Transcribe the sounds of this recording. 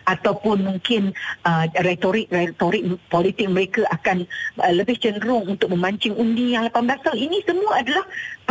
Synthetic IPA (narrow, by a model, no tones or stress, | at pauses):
at̪awpʊnmuŋkɪnəret̪oɾɪk̚ret̪oɾɪk̚polit̪ɪk̚məɾekəʔakanələbɪht͡ʃənɾʊŋunt̪ʊk̚mə̃maɲt͡ʃɪŋundijaŋlapanblasalinĩsəmũəadalah